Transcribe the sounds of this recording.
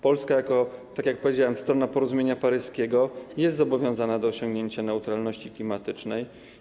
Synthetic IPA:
pɔlskajakɔt̪akʲjak̚pɔvʲed͡ʑawɛmst̪ɾɔnapɔɾɔzumʲjeɲapaɾɘskʲɛɡɔjɛst̪zɔbɔvʲjɔ̃w̃zanad̪ɔːɕɔŋɡɲeɲt͡ɕanɛut̪ɾalnɔɕt͡ɕiklʲimat̪ɘt͡ʂnɛj

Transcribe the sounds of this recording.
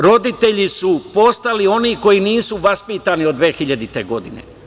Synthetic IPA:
ɾo̞d̪it̪e̞ʎisupo̞st̪alio̞niːko̞jiniːsuʋaspiːt̪aːniod̪ʋeːxiʎad̪it̪e̞ɡo̞d̪inḛ

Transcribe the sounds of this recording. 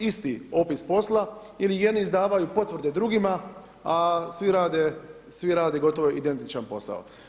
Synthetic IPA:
ist̪io̞pispo̞slˠa | ilije̞d̪niːzd̪aːʋajupo̞t̪ʋɾ̩d̪e̞d̪ɾuɡima | asʋiɾaːd̪e | sʋiɾaːd̪eɡo̞t̪o̞ʋoid̪e̞nt̪it͡ʃanpo̞sa̰o̰

